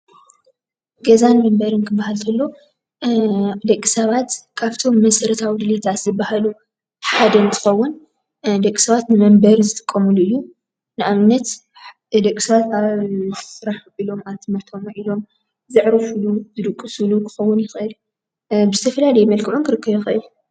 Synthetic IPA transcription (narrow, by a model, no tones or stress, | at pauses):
ɡɐzanmɐmbɐɾɨnkʰɨbːahalt̪ʰɐlːo̞ | d̪ɐkʼːisɐβat̪kʰaβt̪ʰo̞mːɐsɐɾɐt̪ʰawid̪ɨlit̪ʰat̪zɨbahalu | ħad̪ɐnt̪ʰɨ̥xɐwːʊn | d̪ɐkʼːi̥sɐβat̪nɨmɐmbɐɾzɨt̪ʼɨ̥kʼːɐmuluɨjːu | nɨʔamnɐt̪ | d̪ɐkʼːisɐβat̪aββsɨɾaħilo̞maβt̪ʰɨmɐɾt̪ʰo̞mʔilo̞m | zɨʕɾɐfuluzɨd̪ɨkʼːɨsɨlukʰɨ̥xɐwːʊnjɪxʔɨl | bɨzɨt̪ʰɐfɐlalɐjmɐlkʰɨʕunkʰɨɾɨkʰːɐβjɪxʔɨju